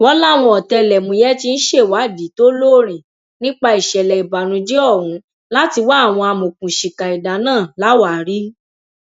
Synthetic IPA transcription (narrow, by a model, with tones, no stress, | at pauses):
wɔ˦la˦˨w̃ɔ̃˧ɔ˨tɛ˧lɛ˨mũ˧jɛ˦ti˦n̩˦ʃe˦˨wa˨˦˨di˨˦to˦lo˦˨ɾ̃ĩ˨ | nĩ˦k͡pa˧i˨ʃɛ˨lɛ˨i˨ba˨nũ˨˧d͡ʒi˦ɔ˦˨ɾũ˨˦ | la˦ti˧wa˦˨w̃ɔ̃˧a˧mõ˨kũ˨ʃi˨ka˨i˨da˨nãː˦˨la˨˦wa˨ɾi˦